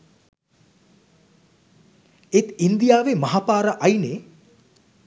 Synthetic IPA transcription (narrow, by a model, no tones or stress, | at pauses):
et̪ind̪ijaːʋemɐɦapaːɾəʔajne